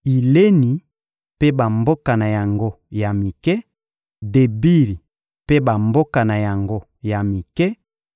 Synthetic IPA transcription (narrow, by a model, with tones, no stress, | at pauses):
i˨le˦ni˨ | pe˦ba˨mbo˦ka˨na˨ja˨ŋɡo˦ | ja˨mi˨kɛ˦ | de˨bi˦li˨ | pe˦ba˨mbo˦ka˨na˨ja˨ŋɡo˦ | ja˨mi˨kɛ˦